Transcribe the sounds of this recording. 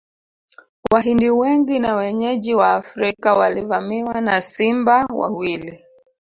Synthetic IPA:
waɦindiwɛŋɡinawɛɲɛʄiwaːfɾikawalivamiwanasimbawa̰wili

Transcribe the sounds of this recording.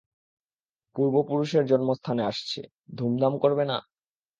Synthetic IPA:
puɾbopuɾuʃeɾd͡ʑɔnmost̪ʰaneaʃt͡ɕʰḛ | d̪ʱumd̪amkoɾbena̰

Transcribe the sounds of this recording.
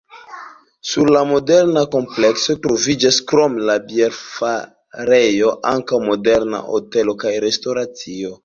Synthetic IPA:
suɾlamo̞deɾnako̞mplekso̞tɾo̞vid͡ʒaskɾo̞mlabjeɾfa | ɾejo̞ʔaŋkawmo̞de̞ɾna̰ʔo̰te̞lo̞kajɾe̞sto̞ɾat͡sio̞

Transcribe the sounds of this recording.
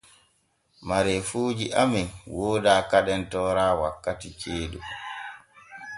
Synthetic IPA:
maɾɛfuːd͡ʒiʔaminwoːdaːkaɗɛntɔːɾaːwakːatit͡ʃeːɗu

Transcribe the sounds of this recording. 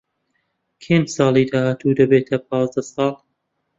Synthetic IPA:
kʰensɑːlˠid̪aːhaːt̪ʰud̪ɐbeːt̪ʰɐp̚ʰɑːzd̪ɐsɑːlˠ

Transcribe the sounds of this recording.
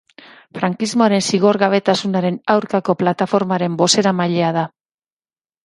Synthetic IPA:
fɾaŋkizmo̞aɾe̞nsiɣ̞o̞ɾɣaβ̞e̞t̪asunaɾe̞nawɾkako̞plat̪afo̞ɾmaɾe̞mbo̞se̞ɾamaʎe̞að̞a

